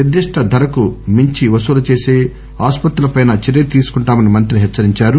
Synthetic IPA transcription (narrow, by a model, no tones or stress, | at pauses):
nid̪ːiʂʈʰɐd̪ʱɐɾɐkumiɲt͡ʃiʋɐsuːlɐt͡ʃe̞ːseː | aːspɐt̪ɾulɐpɐjnɐt͡ʃiɾet̪iːsu̥kuɳʈaːmɐnimɐnt̪ɾiɦɛt͡ʃːɐɾiɲt͡ʃaːɾu